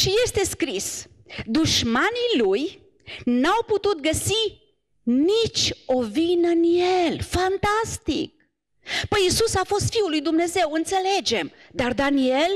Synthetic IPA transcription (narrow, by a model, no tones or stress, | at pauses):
ʃije̞st̪e̞skɾis | d̪uʃmaniluj | nawput̪ut̪̚ɡəsi | nit͡ʃʲo̞vinɨnjelfant̪ast̪ḭk̚ | pəjisusafo̞st̪fiulːujd̪umne̞ze̞wɨnt̪se̞le̞d͡ʒe̞md̪ard̪anie̞l